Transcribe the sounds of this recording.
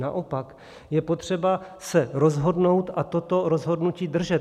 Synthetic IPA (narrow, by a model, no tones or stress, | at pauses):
na̰ʔo̞pak | jɛpo̞t̪r̝̥ɛbasɛɾo̞zɦo̞dno̞wt̪ʔat̪o̞t̪o̞ɾo̞zɦo̞dnuciːd̪r̩ʒɛt̪